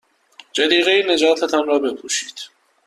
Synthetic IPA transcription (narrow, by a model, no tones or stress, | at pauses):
d͡ʒæd̪iːɣejined͡ʒɒːt̪ʰɛt̪ʰanrɒːbepʰuːʃiːd̪̥